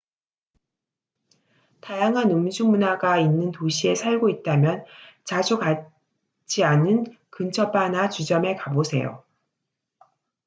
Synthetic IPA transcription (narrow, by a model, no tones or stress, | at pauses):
tajaŋɦanɯmd͡ʑumunaɡainːɯntoɕʰie̞sʰaɭɡoit̚t͈amjʌnt͡ɕad͡ʑuka | t͡ɕ͈ianɯn | kɯnt͡ɕʰʌpanat͡ɕud͡ʑʌmekabosʰe̞̰jo̰